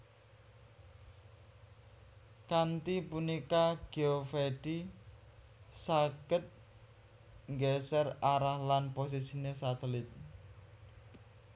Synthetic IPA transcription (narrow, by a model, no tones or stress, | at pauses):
kant̪ipunikaɡ̥eofeɖ̥i | saɡ̥ət̪̚ | ŋɡɛsəraɾahlanpos̬isinesat̪ɛlɪt̪̚